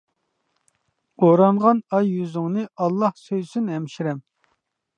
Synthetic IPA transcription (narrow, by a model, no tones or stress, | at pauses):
oɾɑɴʁɑnɑjːyzɪŋnɨɑlˠːɑhsøjsynɦɛmʃiɾɛm